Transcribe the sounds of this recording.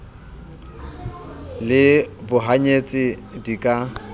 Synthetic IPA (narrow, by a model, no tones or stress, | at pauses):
lɪbʊɦaɲet͡sʼɪdikʼa